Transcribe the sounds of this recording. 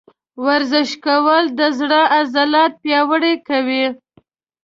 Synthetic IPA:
waɾzɪʃkawəld̪əzɽəʔazalɑt̪̚pjɑwəɽekawi

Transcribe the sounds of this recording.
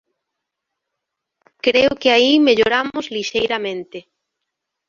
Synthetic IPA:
kɾeʊkɪaimeʎoɾamʊzliʃejɾamẽnt̪ɪ

